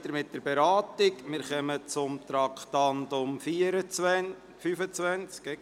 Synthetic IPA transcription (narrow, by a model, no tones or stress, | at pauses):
təɾmɪt̚d̥əɾbɛɾɑːtɪkmɪɾχœmət͡sʊmt̪ɾɑkχtɑndʊmfiːəɾət͡sʋɛ | fyfət͡sʋænt͡skɛ